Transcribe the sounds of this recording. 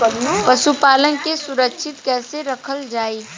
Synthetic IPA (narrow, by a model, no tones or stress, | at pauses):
pɐʃupaːlənkesʊɾəkʃʰɪt̪kɛːseɾɐkʰəld͡ʒaːiː